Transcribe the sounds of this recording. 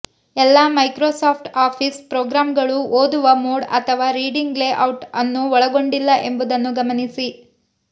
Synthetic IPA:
ɛlːaːmɐjkɾoːsaːpʰʈaːpʰispɾoːɡɾaːmɡɐɭuoːd̪uʋɐmoːɽɐ̰t̪ʰɐʋaːɾiːɖiŋɡleːʔɐwʈɐnːuɔɭɐɡoɳɖilːɐʔe̞mbud̪ɐnːuɡɐmɐnisi

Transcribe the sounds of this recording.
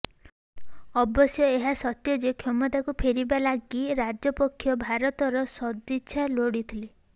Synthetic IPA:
ɔbɔsjɔeɦasɔt̪jɔd͡ʒekʰjɔmɔt̪akupʰeɾibalaɡiɾad͡ʒɔpɔkʰːjɔbʱaɾɔt̪ɔɾɔsɔd̪it͡ʃʰaloɽit̪ʰili

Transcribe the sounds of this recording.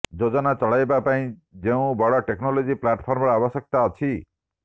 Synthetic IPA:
d͡ʒod͡ʒɔnat͡ʃɔɭajbapaĩd͡ʒeũbɔɽɔʈeknolod͡ʒiplaʈpʰɔɾmɔɽaabɔsjɔk̚t̪aɔt͡ʃʰi

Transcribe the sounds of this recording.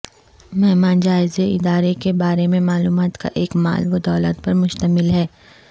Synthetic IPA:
mɛɦmaːnd͡ʒaːɪzeɪd̪aːɾekebaːɾemẽmaːluːmaːt̪ka̰ʔeːkma̰ːlʋod̪ɔːlət̪pɐɾmʊʃt̪əmɪlɦɛː

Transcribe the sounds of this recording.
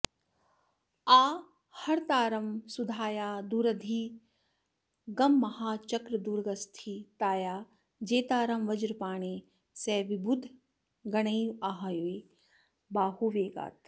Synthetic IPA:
aː | hɐɾt̪aːɾɐmsud̪ʱaːjaːd̪uːɾɐd̪ʱiː | ɡɐmːɐhaːt͡ʃɐkɾɐd̪uːɾɡɐst̪ʰit̪aːjaː | d͡ʒeːt̪aːɾɐmʋɐd͡ʒɾpaːɳ̃eː | sɛːʋibʱud̪ʱ | ɡɐɳɐjuaːɦaːjue | baːhuːʋeːɡa̰ːt̪

